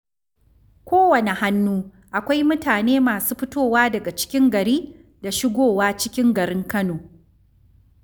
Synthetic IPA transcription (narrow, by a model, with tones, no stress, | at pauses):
kʷoː˦wɐ˨ne˨ha˦nːuː˦ | ʔa˨kʷa˦jmʊ˦taː˨neː˦maː˨suː˦ɸɪ˦toː˦˨waː˦dɐ˨ɡa˨t͡ʃɪ̥˦kʲɪ˦ŋɡɐ˨ɾiː˦ | da˨ʃɪ˦ɡʷoː˦˨waː˦t͡ʃɪ˦kʲɪ˦ŋɡɐ˨ɾɪ˦ŋkɐ˦noː˨